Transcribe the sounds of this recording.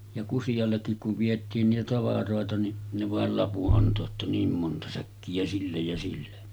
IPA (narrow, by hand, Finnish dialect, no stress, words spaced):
jɑ kusijɑlːekːik kuʋ ʋietˑiːn niːtæ tɑʋɑroˑetɑ ni ne ʋɑˑel lɑpuʔ ʔɑnto etːæ niːm montɑ sækːiæ silːej jɑ silːe